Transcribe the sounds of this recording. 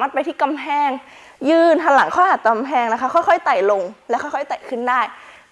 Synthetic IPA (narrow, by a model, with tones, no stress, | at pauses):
maː˦˥˩t̪̚pa˧t̪ʰiː˥˩ka˧mpʰɛː˧˩ŋ | jɯː˧˩nt̪ʰa˧˥ŋla˩˦ŋkʰɔː˥˩ʔaː˨˩ka˧mpʰɛː˧ŋna˦˥kʰa˧˦˥kʰɔ˥˩jkʰɔ˥˩jt̪a˨˩jlo˧ŋlɛ˦˥wkʰɔ˥˩jkʰɔ˥˩jt̪a˨˩jkʰɯ˥˩ndaː˥˩j